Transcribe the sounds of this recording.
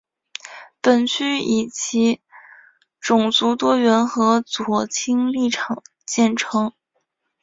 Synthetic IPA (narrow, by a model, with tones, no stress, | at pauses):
pə˨˩nt͡ɕʰy˥i˨˩t͡ɕʰi˧˥ | ʈ͡ʂʊ˨˩ŋt͡su˧˥t̪wɔ˥ɥɛ˧˥nxɤ˧˥t͡swɔ˨˩t͡ɕʰi˥ŋli˥˩ʈ͡ʂʰɑ˨˩ŋ | t͡ɕjɛ˥˩nʈ͡ʂʰɤ˧˥ŋ